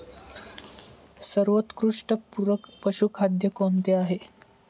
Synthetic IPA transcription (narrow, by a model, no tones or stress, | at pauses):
səɾʋət̪kɾuʂʈəpuɾəkpəɕukʰad̪jəkont̪eaɦe